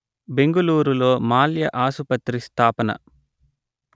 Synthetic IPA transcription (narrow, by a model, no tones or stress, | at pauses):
be̞ŋɡɐluːɾulo̞ːmaːljɐʔaːsupɐt̪ɾist̪ʰaːpɐnɐ̰